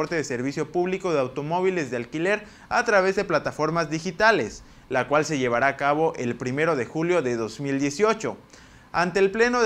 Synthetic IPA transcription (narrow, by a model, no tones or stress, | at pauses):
oɾt̪eðe̞seɾβisjo̞puβliko̞ðeawt̪o̞mo̞β̞ile̞zðealkile̞ɾ | at̪ɾaβe̞zðe̞plat̪afo̞ɾmazðixit̪ale̞s | lakwalse̞ʝe̞β̞aɾaːkaβo̞ʔe̞lpɾime̞ɾo̞ðe̞xuljo̞ðe̞ðo̞zmild̪je̞sjo̞t͡ʃo̞ | ant̪e̞ːlple̞no